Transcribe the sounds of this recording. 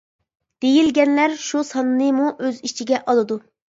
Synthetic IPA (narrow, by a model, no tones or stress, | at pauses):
d̪̥ejilɡʲɛnlæɾʃusɑnːɨmuʔøzit͡ʃʰiɡʲɛʔɑlˠɨd̪u